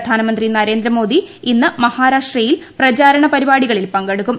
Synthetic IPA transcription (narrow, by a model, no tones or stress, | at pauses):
d̪ʱaːnɐmɐnd̪rinɐɾe̞ːnd̪ɾɐmo̞ːd̪iinːɨmɐhaːɾaːʂʈrɐjilprɐt͡ɕaːɾɐɳɐpɐɾibaːɽiɣɐɭilpɐŋɡɐɽukːum